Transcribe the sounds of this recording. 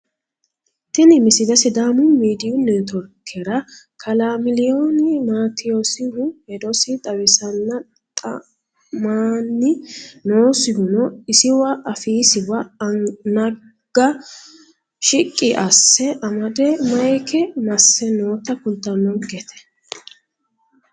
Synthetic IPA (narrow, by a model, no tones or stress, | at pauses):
t̪ɪnɪmɪsɪd̪ɐsɪd̪aːmʊmiːd̪ɪjʊnːɛt̪ɔɾkʰːɛɾɐ | kʰɐlamɪlɪjoːnɪmaːt̪ɪjosɪhʊhɛd̪ɔsɪt̪ʼɐwɪsɐnːɐ | t̪ʼɐ̰ | maːnːɪnoːsɪhʊnɔɪsɪwɐʔɐfiːsɪwɐnɐ | ɡ̥ɐ | ʃɪkʼːɪʔɐsːɛʔɐmɐd̪ɛmɐjɛkɛmɐsːɛnoːt̪ɐkʊnt̪ːɐnːɔnɡɛt̪ʰɛ̥